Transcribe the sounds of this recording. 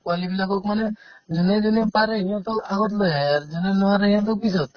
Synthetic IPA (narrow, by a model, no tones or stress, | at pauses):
kualibilakɔkmaned͡ʒɔned͡ʒɔnepaɾeɦĩãt̪ɔaɡɔt̪lɔɛɾd͡ʒɔnenɔaɾeɦĩãt̪ɔkpisɔt̪